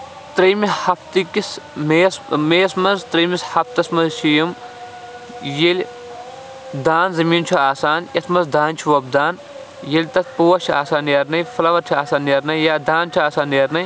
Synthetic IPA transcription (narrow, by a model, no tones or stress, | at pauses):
t̪ɾɐjmihɐft̪ikismeːsmeːsmɐzt̪ɾɐmishɐft̪ɐsmɐzʃʰijim | jelʲ | d̪aːnzɐmiːnt͡ʃʰuaːsaːnɐsʰmɐzd̪aːnt͡ʃʰiʋɐb̚d̪aːn | jelʲt̪ɐt̪̚ʰpoːɐt͡ʃʰaːsaːnjɐɾnɐjfɐlɐʋɐɾt͡ʃʰiaːsaːnjɐɾnɐjjaːd̪aːnt͡ʃʰuaːsaːnjɐɾnɐj